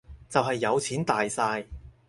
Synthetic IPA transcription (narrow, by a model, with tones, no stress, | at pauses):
t͡sɐ˨wɦɐ˨jːɐ˨˧wt͡sʰiː˨˥nt̪aː˨jsaː˧j